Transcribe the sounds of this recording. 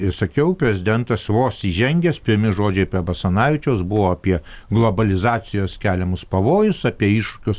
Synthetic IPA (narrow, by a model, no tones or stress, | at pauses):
ɪsɐkʲɛʊpʲɾʲɛzʲɪd̪ʲɛnt̪ɐsʋoːsiʒʲɛŋʲɡʲɛspʲɪɾʲmʲɪʒoːd͡ʒʲɛɪpʲɛbɐsɐnɑːʋʲɪt͡ʃʲɛʊsbʊʋoːɐpʲiɛ | ɡlˠobɐlʲɪzɑːt͡s̪ʲɪjoːskʲæːlʲɛmʊspɐʋoːjʊsɑpʲiɛiːʃʃʊ̥kʲʊs